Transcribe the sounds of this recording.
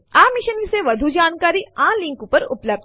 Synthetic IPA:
amiʃənʋiseʋəd̪ʱud͡ʒaːnkaɾiːãliŋkupəɾṵpləb̚d̪

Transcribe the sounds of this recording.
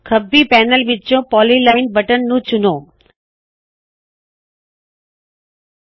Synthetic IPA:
kʰəbːipɛːnəlʋɪt͡ʃõpɔːlilaɪnbəʈənːũt͡ɕʊnõː

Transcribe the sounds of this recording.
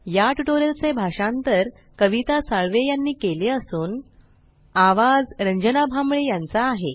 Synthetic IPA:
jaʈuʈoɾəlt͡sebʱaʂant̪əɾ | kəʋit̪asaɭʋejanːiːkeleəsuːn | aʋad͡zɾəɲd͡ʑənabʱamɭejant͡saːɦe

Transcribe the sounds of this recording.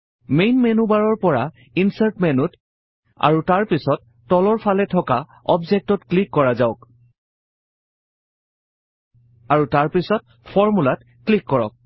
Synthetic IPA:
mejnmenubaɹɔɹpɔɹa | insaɹtmɛnut | a̰ɹutaɹpisɔtːɔlɔɹpʰalɛtʰɔka | ɔbzɛk̚tɔtklikːɔɹazaʊk | aɹutaɹpisɔt̚ | pʰɔɹmulat | klikːɔɹɔ̰k̚

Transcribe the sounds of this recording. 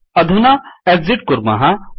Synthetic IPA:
ɐd̪ʱunaeɡziʈ̚kʊɾma̰ɦa

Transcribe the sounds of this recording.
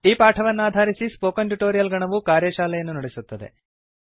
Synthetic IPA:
iːpaːʈʰɐʋɐnːaːd̪ʱaːɾisispoːkɐnʈuʈoːɾijɐlɡɐɳɐʋukaːɾjɐʃaːlɐjɐnːunɐɽesut̪ːɐd̪ḛ

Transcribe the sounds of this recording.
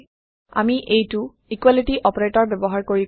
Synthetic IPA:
a̰miʔejtu | ikwalitiʔɔpɔɹetɔɹbɛbɔɦaɹkoɹi

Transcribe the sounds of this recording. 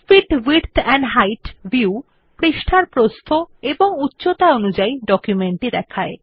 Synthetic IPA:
fiʈwiɾt̪ʰɛɳɖɦajʈbiu | pɾiʃʈʰaɾpɾost̪ʰoeboŋutːɕot̪aonud͡ʑaiɖɔkjumeɳʈid̪ɛkʰae

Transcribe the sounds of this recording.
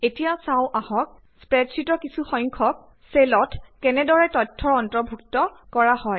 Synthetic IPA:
etijasaʊʔahɔk̚ | spɹɛtsʰitɔkisʰuxɔjŋkʰɔk̚ | selɔtʰkɛnɛdɔɹɛtɔtʰːɔɹɔntɹɔbʱuk̚tɔkɔɹahɔj

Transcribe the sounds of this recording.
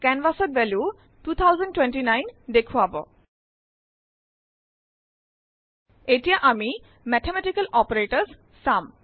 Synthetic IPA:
kɛnʋasɔtbɛlju | tut̪ʰawzənɖʈwenʈinajnd̪ekʰuabɔ̰ | etijaʔami | mɛtʰemɛʈikəlɔpɔɹeʈəs | sam

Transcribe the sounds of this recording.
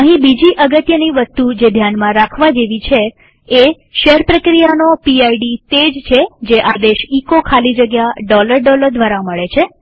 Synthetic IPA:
əɦĩbid͡ʒiʔəɡət̪jəniʋəst̪ud͡ʒed̪ʱjanmãɾakʰʋad͡ʒeʋit͡ʃʰe | e | ʃeɾpɾəkɾijanopiaiɖit̪ed͡ʒt͡ʃʰed͡ʒeʔad̪eʃikokʰalid͡ʒəɡjaɖɔləɾɖɔləɾd̪ʱʋaɾaməɭet͡ʃʰe

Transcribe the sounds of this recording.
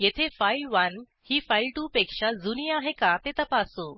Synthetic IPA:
jet̪ʰefajlʋan | hiːfailʈuːpekʂad͡zuniaɦekat̪et̪əpaso

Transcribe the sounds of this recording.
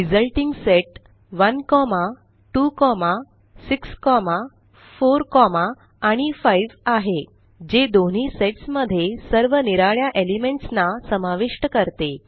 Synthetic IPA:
ɾid͡zəlʈiŋɡseʈ | ʋənkɔma | ʈukɔma | sikskɔma | foɾkɔmaː | ɽ̃ifaiʋaɦe | d͡ʑed̪oɳ̤iːseʈsməd̪ʱːjesəɾʋəniɾaɭjaʔelimeɳʈsnasəmaʋiʂʈəkəɾt̪e

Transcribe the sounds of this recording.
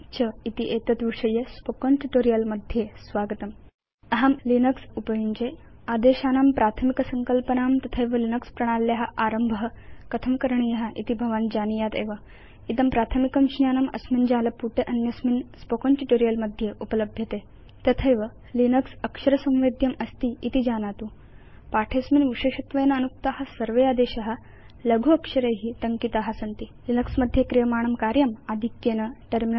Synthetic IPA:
t͡ɕʰəit̪iʔet̪ət̪ʋiʂəjespokonʈuʈoɾijəlməd̪ʱjesʋaɡət̪əm | ɐɦamlinəksupəjiɲd͡ʑe | ad̪eɕaːnampɾat̪ʰəmikəsəŋkəlpənamt̪ɐt̪ʰəjʋəlinəkspɾɐɽ̃alːeɦaʔaɾəmbʱəɦkət̪ʰəmkəɾɳijeɦaʔḭt̪ibʱɐʋaːnd͡ʑanijat̪ḛʋa | it̪əmpɾat̪ʰəmikɐmɕnjaːnɐmɐ̰smind͡ʑalɐpuʈʰeʔɐnjɐsminspokonʈiʈoɾijəlmɐd̪ʱjeʔupələbʱjɐt̪e | t̪ɐt̪ʰeʋə | linəksɐkʂɐɾəsɐ̃w̃ʋed̪ʱjɐmɐst̪iit̪id͡ʑanat̪uː | paʈʰesminʋiɕeɕɐt̪ʋɐjnɐːnuk̚t̪aɦasəɾʋead̪eɕɐɦa | ləɡʱuɐkʂɐɾeɦit̪ɐŋkit̪aɦasɐnt̪ilinəksmɐd̪ʱːjekɾijəmaːɳ̃ɐmkaɾjɐmad̪ʱikjenɐʈəɾmin

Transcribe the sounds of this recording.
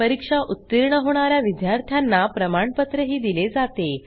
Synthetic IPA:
əɾikʂaʔut̪ːiɾɳəɦoɽ̃aɾjaʋid̪jaɾt̪ʰjanːapɾəmaɳpət̪ɾəɦiːd̪iled͡zat̪e

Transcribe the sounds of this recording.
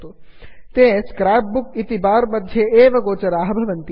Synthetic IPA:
t̪oː | t̪ẽskɾaːp̚bukit̪ibaːɾmɐd̪ʱjeeːʋəɡoːt͡ʃɐɾaːɦɐbʱɐʋənt̪i

